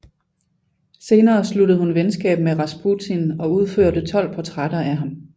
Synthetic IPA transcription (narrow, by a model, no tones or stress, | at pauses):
se̝ːnɐːsluɾəð̩ˠhunʋensɡ̥ɛ̰ːb̥meʁɑ̈sb̥ʰut͡sʰinɒ̽uð̞ˠføɐ̰d̥ət͡sʰɒ̽l̰pʰɒt͡sʰʁaɾ̥ɐæɦɑ̈m